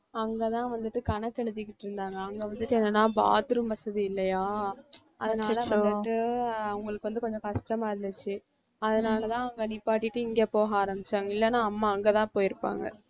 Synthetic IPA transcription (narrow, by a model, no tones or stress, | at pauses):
ɐŋɡet̪ãːʋɐnd̪ɯʈːɯkɐnɐkːɛɽɯðɪkːɪʈːɪɾɯnd̪aːŋɡɐːŋɡeʋɐnd̪ɯʈːɯɛnːɐnːaːba̰ːt̪ɾɯmbɐsɐðiɪlːɐjaːʔɐðɐnaːlɐʋ̪d̪ɯʈːɯɐʊŋɡɐɭɯkːɯʋɐnd̪ɯkɔɲd͡ʒɔ̃kɐʂʈɐmaːɪɾɯnɯt͡ʃːɯ | ɐðɐnaːlɐt̪ãːɐŋɡɐnipːaːʈːɪʈːɯɪŋɡeːpoːɣaːɾɐmbɪt͡ʃːaːŋɡɐɪlːɐnãːɐmːaːɐŋɡet̪ãːpoːjɪɾɯpːa̰ːŋɡɐ̰